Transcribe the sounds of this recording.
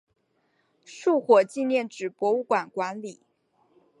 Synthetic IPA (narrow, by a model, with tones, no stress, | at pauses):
ʂu˥˩˧xwɔ˨˩t͡ɕi˥˧njɛ˥˩nʈ͡ʂɻ̩˨˩pwɔ˧˥u˥˩kwa˨˩nkwa˧˥nli˨˩˦